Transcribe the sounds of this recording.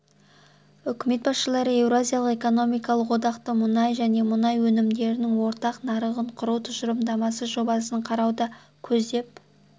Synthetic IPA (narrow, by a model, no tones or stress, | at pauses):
ʏkʲɪme̞t̪̚bɑsʃəlˠɑɾəe̞vɾoazijalˠəqe̞ko̞no̞mijkɑlˠəqwo̞d̪ɑqt̪əmʊnɑjʒæne̞mʊnɑjwɵnɪmd̪e̞ɾɪnɪŋwo̞ɾt̪ɑqnɑɾəʁəɴqʰʊɾut̪ʰʊʃəɾəmd̪ɑmɑsəʒo̞bɑsəɴqʰɑɾɑwd̪ɑ | kʲʰɵzd̪e̞p̚